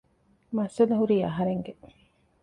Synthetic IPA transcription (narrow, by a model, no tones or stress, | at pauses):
mɐsɐlɐɦuɾiːɐɦɐɾeŋɡe